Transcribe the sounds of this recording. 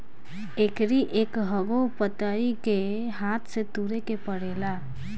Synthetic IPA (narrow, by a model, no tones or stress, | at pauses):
eːkɾiʔeːkɦəɡopət̪aike | ɦaːt̪ʰset̪uːɾekepəɽeːla